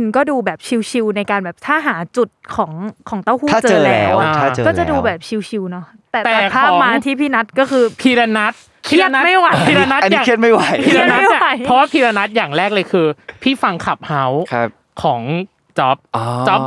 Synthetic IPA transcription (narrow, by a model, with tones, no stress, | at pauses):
ɯ˧ŋkɔː˥˩duː˧bɛː˨˩p̚t͡ɕʰi˧wt͡ɕʰi˧wna˧jkaː˧nbɛː˨˩p̚t̪ʰaː˥˩ɦaː˩˦t͡ɕu˨˩t̪̚kʰɔː˩˦ŋkʰɔː˩˦ŋt̪aː˥˩whu˥˩aː˥˩t͡ɕɤː˧lɛː˦˥wa˨˩a˧aː˥˩t͡ɕːkɔː˥˩t͡ɕa˨˩duː˧bɛː˨˩p̚t͡ɕʰi˧wt͡ɕʰi˧wnɔ˦˥ | t̪ɛː˨˩t̪ɛːa˨˩pʰaː˥˩ɔː˩˦maː˦˧˦t̪ʰiː˥˩pʰiː˥˩na˦˥t̪̚kɔː˥˩kʰɯː˧pʰiː˧ɾa˧na˦˥t̪̚ʰːma˥˩jwa˧˩iː˧ɾa˧na˦˥ta˧njaː˦˨˩ŋi˦˥˩t̪̚ma˥˩jwa˨˩jʰi˧˥ɾa˧˦a˥jwa˧˩jʰɔ˦˥waː˥˩pʰiː˧ɾa˧na˦˥t̪̚jaː˨˩ŋɾɛː˥˩k̚lɤː˧jkʰɯː˧pʰiː˥˩fa˧ŋkʰa˨˩p̚ha˦˥w | kʰɔː˩˦ŋ | t͡ɕɔ˦˥p̚ɔ˧t͡ɕɔ˦˥p